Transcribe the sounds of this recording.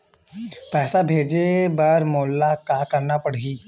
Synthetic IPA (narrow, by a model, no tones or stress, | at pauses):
pɛːsabʱeːd͡ʒebɐɾmɔːlːakakəɾnapəɽ̤ɡiː